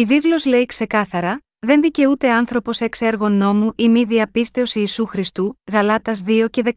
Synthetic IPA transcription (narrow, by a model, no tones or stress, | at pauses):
ivivlo̞zle̞jkse̞kɐθɐɾɐ | ðe̞nðice̞ut̪e̞ɐnθɾo̞po̞se̞kse̞ɾɣo̞nːo̞muʔimiðiɐpist̪e̞o̞siːsuxɾist̪uɣɐlɐt̪ɐzðio̞ce̞ðe̞